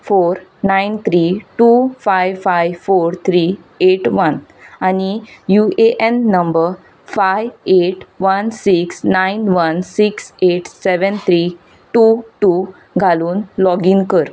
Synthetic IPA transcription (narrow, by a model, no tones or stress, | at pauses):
foɾnaint̪ʰɾiʈufajʋfajʋfoɾt̪ʰɾi | eʈʋənañijueʔenːəmbəɾ | fajʋeʈʋənsiksnainʋənsikseʈseʋənt̪ʰɾiː | ʈuʈu | ɡʱaluːnlɔɡinkəɾ